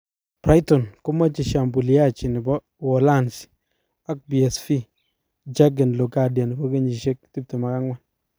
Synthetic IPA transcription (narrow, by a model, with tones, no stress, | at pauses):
pɾa˦jtɔ˨nkʊ˦ma˦t͡ʃi˨ʃa˨mbu˨li˨a˦t͡ʃi˨nɪ˨bɔ˦ | wɔ˨la˦˨nsi̥˨ | a˦k̚bi˨ɛ˨sfi˦ | d͡ʒa˦ɡɛ˨nlo˨ka˨dja˨nɪ˨bɔ˦ke˦ɲi˨ʃe˦k̚ti˦p̚tɛ˨ma˨ka˦ŋwa˦n